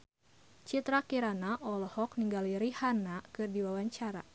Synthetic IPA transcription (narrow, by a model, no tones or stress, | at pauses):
t͡ʃit̪ɾakiɾanaʔɔlɔhɔk̚niŋɡaliɾihanakɨrdiwawaɲt͡ʃaɾa̰